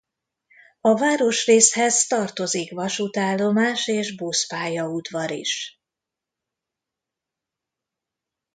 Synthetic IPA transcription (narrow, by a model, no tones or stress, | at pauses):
ɒvaːɾo̞ʃreːshɛzt̪ɒrt̪o̞zikʋɒʃut̪aːlːo̞maːʃeːʒbuspaːjɒud̪vɒɾḭʃ